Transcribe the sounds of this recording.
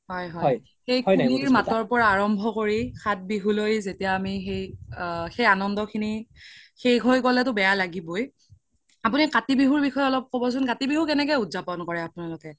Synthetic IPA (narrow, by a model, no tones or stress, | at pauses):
ɦɔjɦɔj | xejkuniɹmatɔɹpɔɹaːɹɔmbʱɔkoɹikʰat̚biɦulojzetijaːmixejxejanɔndɔkʰinixejɡʱojkɔlɛtʊbɛjalaɡiboj | apunikatibiɦuɹbixɔjɛɔlɔp̚kobɔs̬ʊnkatibiɦukɛnɛkɛutzapɔnkɔɹɛapʊnalʊkɛ